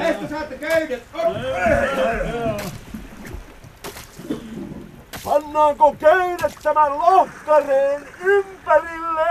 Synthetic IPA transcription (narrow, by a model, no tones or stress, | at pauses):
est̪ːæsɑːt̪ːekøyt̪et̪o | pɑnːɑːŋkokøynet̪t̪æmællohkːɑreːnympærilːe